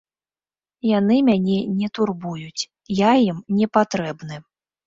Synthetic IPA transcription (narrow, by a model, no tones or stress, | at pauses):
janɨmʲanʲɛnʲɛt̪urbujut͡sʲ | jajimnʲɛpat̪ɾɛbnɨ